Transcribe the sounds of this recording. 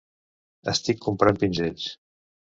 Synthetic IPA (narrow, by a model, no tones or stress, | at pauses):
əst̪ikːumpɾampinʲʒet͡ʃ